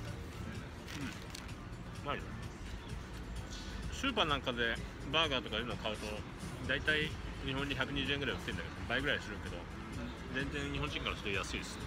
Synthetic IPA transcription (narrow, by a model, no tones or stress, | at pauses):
ɯ̟̃ɴ | maɾ | sɨːpanãŋkad̪e̞ | baːɡaːt̪o̞kaiɾɯnokʰaɯ̟t̪o̞ | d̪ait̪aiɲ̟iɦõ̞ɲ̟ːiçakɯ̟ɲ̟iʑɨːeŋɡɯɾait̪ːeind̪aked̪obaiɡɯɾaidʲsɨɾɯ̟̃ŋke̞d̪o̞̰ | d͡zẽ̞nzẽ̞nɲ̟iɦõɲd͡ʑĩŋkaɾasoojasɨid̪sɨ̥ne